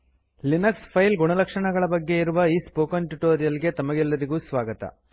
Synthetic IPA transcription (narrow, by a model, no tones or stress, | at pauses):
linɐkspʰɐjlɡuɳɐlɐkʂɐɳɐɡɐɭɐbɐɡːe̞iɾuʋɐiːspoːkɐnʈuʈoːɾijɐliɡe̞t̪ɐmɐɡɛlːɐɾiɡusʋaːɡɐt̪ɐ̰